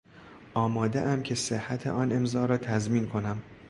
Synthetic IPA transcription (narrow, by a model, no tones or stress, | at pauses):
ʔɒːmɒːd̪eʔæmcʰe̞sehːæt̪ʰḛʔɒːne̞mzɒːɾɒːt̪ʰæzmiːnkʰo̞næm